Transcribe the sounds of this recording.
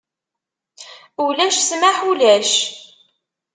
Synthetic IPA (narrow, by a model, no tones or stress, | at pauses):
ulæʃsmaħulæʃ